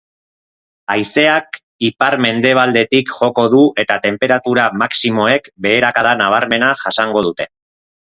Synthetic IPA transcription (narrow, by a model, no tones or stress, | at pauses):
ajse̞ak | ipaɾme̞nd̪e̞β̞ald̪e̞t̪ikʝo̞ko̞ðuʔe̞t̪at̪e̞mpe̞ɾat̪uɾamaksimo̞e̞kbe̞ːɾakaðanaβ̞aɾme̞naʝasaŋɡo̞ð̞ut̪e̞